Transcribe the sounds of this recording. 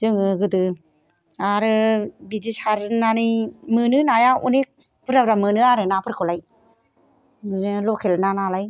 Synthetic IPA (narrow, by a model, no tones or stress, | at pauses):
zɯŋɯɡɯdɯ | aɾɯbidisaɾɯnanɯjmɯnɯnajaṵnek̚ | bɯɾabɾamɯnɯaɾɯnapʰɯɾkʰɔlaj | nɯlɔkʰelnanalaj